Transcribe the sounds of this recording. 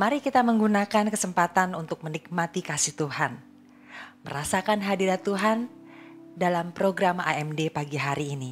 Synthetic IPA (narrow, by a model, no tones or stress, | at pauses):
maɾikit̪aməŋɡunakankəsəmpat̪anunt̪ʊk̚mənik̚mat̪ikasiht̪uɦan | məɾasakanɦadiɾat̪uɦan | dalampɾoɡɾama̰ɛmdepaɡiɦaɾiːni